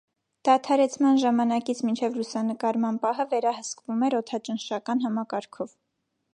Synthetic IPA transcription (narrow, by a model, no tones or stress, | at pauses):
d̪̥ɑt̪ʰɑɾɛt͡sʰmɑnʒɑmɑnɑkit͡sʰmint͡ʃʰɛvlusɑnəkɑɾmɑnpɑɦəvɛɾɑhəskvumɛɾɔt̪ʰɑt͡ʃənʃɑkɑnɦɑmɑkɑɾkʰɔv